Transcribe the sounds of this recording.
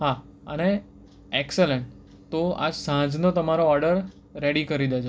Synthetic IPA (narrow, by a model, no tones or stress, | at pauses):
ɦa | əne | ekseleɳʈ | t̪oa̰d͡ʒsãd͡ʒnot̪əmaɾoɔɾɖəɾː | eɽikəɾid̪at͡ʃʰo